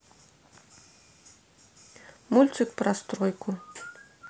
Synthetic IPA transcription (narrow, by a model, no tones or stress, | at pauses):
mulʲt̪sɨkpɾɐst̪ɾɔjkʰu